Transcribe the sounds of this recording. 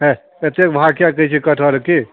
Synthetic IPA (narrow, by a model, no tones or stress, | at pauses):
ɦɛ̃ | et̪ekbʱakjakəit͡ʃʰikəʈʰɔɾki